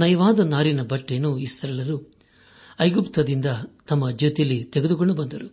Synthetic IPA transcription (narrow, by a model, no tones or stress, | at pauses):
nɐjɐʋaːd̪ɐnaːɾinɐbɐʈːenuisɾɐlɐɾu | ɐjɡupt̪ɐd̪ind̪ɐt̪ɐmːɐd͡ʒot̪ijɐlːit̪eɡed̪uko̞ɳɖubɐnd̪ɐɾu